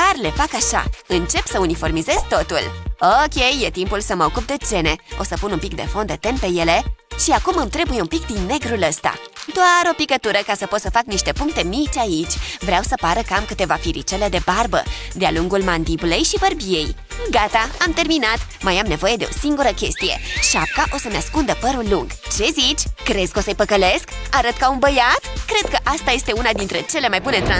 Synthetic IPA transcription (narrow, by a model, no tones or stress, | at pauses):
karle̞fakaʃa̰ɨnt͡ʃe̞psəunifo̞rmize̞z̥t̪o̞t̪ṵlokʲe̞jːe̞t̪impulsəməo̞kup̚d̪e̞d͡ʒe̞ne̞o̞səpununmpik̚d̪e̞̰fo̞nd̪e̞t̪enpe̞je̞le̞ʃiakumɨmt̪ɾe̞buje̞umpik̚d̪inːe̞ɡɾuləst̪a̰d̪oaɾo̞pikət̪uɾəkasəpot̪səfakniʃt̪e̞puŋk̚t̪e̞mit͡ʃʲait͡ʃʲvɾeawsəpaɾəkəamkɨt̪e̞vafiɾit͡ʃele̞d̪e̞barbə̰d̪ea̰luŋɡulmand̪ibule̞jʃibərbije̞j | ɡat̪aamt̪e̞rminat̪ | majamne̞vo̞je̞d̪e̞o̞̰siŋɡuɾəkʲe̞st̪ije̞̰ʃiap̚kaʔo̞səneaskund̪əpəɾulːuŋɡ̥t͡ʃe̞zit͡ʃʲkɾe̞z̥kosəjpəkəle̞skaɾət̪̚kaunbəjat̪kɾe̞d̪̚kəʔast̪aje̞st̪e̞unad̪int̪ɾe̞t͡ʃe̞le̞majbune̞t̪ɾa